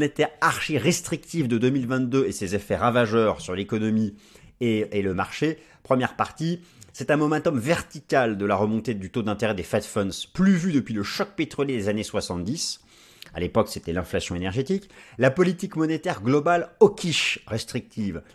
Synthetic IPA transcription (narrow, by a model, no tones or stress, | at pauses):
net̪ɛʁaʁʃiʁɛst̪χik̚t̪ivd̪əd̪əmilvɛ̃t̪̚d̪øesezefɛʁavaʒœʁsyʁlekɔnɔmi | eːləmaʁʃe | pχəmjɛʁpaʁt̪isɛt̪ɛ̃mɔmɛ̃t̪ɔmvɛʁt̪ikʲald̪əlaʁəmɔ̃t̪ed̪yt̪od̪ɛ̃t̪eʁɛd̪efɛt̪fɔnsplyvyd̪əpɥiləʃɔk̚pet̪χɔljed̪ezaneswasɑ̃t̪̚d̪is | a̰lepɔkset̪ɛlɛ̃flasjɔ̃enɛʁʒet̪iklapɔlit̪ikmɔnet̪ɛʁɡlɔbalɔkʲʰiʃʁɛst̪χik̚t̪ʰiv